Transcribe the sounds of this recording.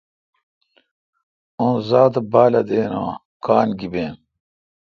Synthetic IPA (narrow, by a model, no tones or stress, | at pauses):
õːzaːt̪ɐbaːlɐd̪eːna̰ː | kaːnɡibeːn